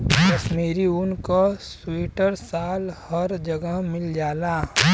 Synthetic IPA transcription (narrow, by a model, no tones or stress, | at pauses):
kɐʃmiːɾiʊnkoswiːʈəɾsaːlhəɾd͡ʒɐɡəɦmɪld͡ʒaːlaː